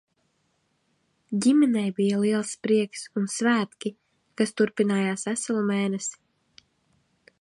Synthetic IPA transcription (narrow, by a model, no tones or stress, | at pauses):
ɟʲimɛnɛjbijaliɛlˠspɾiɛksunsvæːt̪kʲi | kast̪uɾpinaːjaːsvæsalˠumɛjnɛsi̥